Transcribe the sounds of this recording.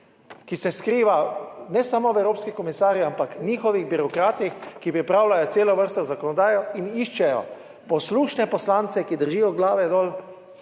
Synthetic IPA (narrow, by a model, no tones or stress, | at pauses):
kisɛskɾiːʋanɛsamoʋɛwɾoːpskikɔmisaːɾjiampakɲiːxɔʋiɣbiɾɔkɾaːt̪nixkipɾipɾaːwlajɔt̪seːlɔʋəɾst̪ɔzakɔnɔd̪aːjɔiniʃt͡ʃɛjɔ̰ | pɔsluːʃnɛpɔslaːnt̪sɛkid̪əɾʒiːjɔɡlaːʋɛd̪ɔːl